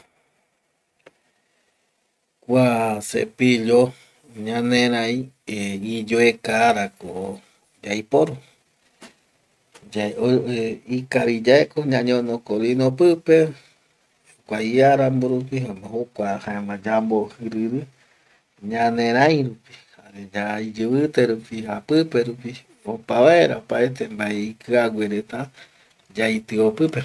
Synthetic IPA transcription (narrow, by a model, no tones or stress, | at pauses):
kʷasḛpiʎo | ɲãnẽɾãj̃ | id͡ʒoekaːɾako̰ | d͡ʒajpoɾu | d͡ʒa | ikaβid͡ʒaekoɲãɲõnokolinopɨpe | hukʷaiaɾamboɾup̬iahokʷahaemãd͡ʒambohɨɾɨɾɨ | ɲãnẽɾ̃ãj̃ɾupi̥haɾed͡ʒaid͡ʒɨβɨt̪e̞ɾupihapɨpeɾupi | opaβaeɾa̰opaet̪embaeikɨaɡʷeɾet̪a | d͡ʒajt̪ɨopɨpe